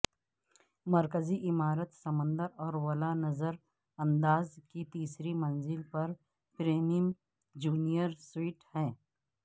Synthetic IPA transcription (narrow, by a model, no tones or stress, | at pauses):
mɐɾkəziʔɪmaːɾət̪sɐmə̃nd̪əɾɔːɾwɐlanɐzəɾ | ɐ̃nd̪aːzkit̪iːsɾimɐ̃nzɪlpɐɾ | pɾeːmim | d͡ʒuːnijəɾswiːʈhɛ̃ː